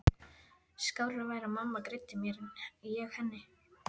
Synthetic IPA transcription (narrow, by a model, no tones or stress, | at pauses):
skaːwlavaːjɾamamːakɾejt̪ːɪmjɛɾɪnijɛɣhɛnːɪ